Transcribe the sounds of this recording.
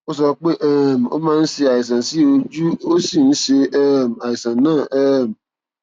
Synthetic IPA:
o˦s̬ɔ˧k͡pe˦ʔɛ˦˨m̩˨o̰˦mãː˦n̩˦si˧a˨ji˨s̬ã˨si˦o˧d͡ʒu˦o˦si˦˨n̩˦ʃe˧ɛ˦m̩˨a˨ji˨sã˨nãː˦˨ʔɛ˦˨m̩˨

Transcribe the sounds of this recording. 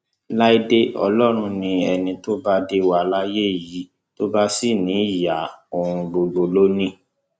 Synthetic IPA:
la˦i˦de˦ʔɔ̰˧lɔ˦ɾ̃ũ˧nĩ˧ɛ˨nĩ˧to˦ba˦de˦wa˧la˦je˦˨ji˨˦ | to˦ba˦si˦˨nĩ˨˦˨ja˨o˧ɾ̃ũ˧bo˧ɡ͡bo˨lo˦nĩ˦

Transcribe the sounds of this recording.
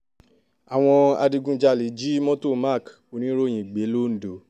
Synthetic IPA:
a˨w̃ɔ̃˧a̰˧di˧ɡũ˧d͡ʒa˧˨li˨˦d͡ʒi˦mɔ̃˦to˦˨ma˦˨k | o˨˦nĩ˦ɾo˦˨j̃ĩ˨ɡ͡be˨˦lo˦n̩˨˦do˨˦

